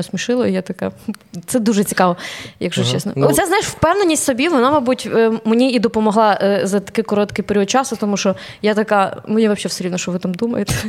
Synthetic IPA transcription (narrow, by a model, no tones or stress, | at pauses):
ɔsmʲiʃɪlˠɔijat̪ɐka̰t̪sɛd̪uʒɛt͡sʲikɑʋɔjɐɡʒɔt͡ʃɛsnɔ̰lˠɛt͡sʲaznajɪʃwpɛwnenʲːisʲtʲsɔbʲiʋɔnamɐjbutʲmenʲiid̪ɔpɔmɔɦlˠɑzɐt̪ɐ̥kɪkɔɾɔt̪kɪjpeɾʲiɔd̪̚t͡ʃɑsɔkt̪ɔmuʃɔ | jat̪ɐkamenʲiʋɐpʃʲɛfsʲeɾʲilʋnɔʃt͡ʃɔʋɪt̪amd̪umɐ̰jet̪ɛ̥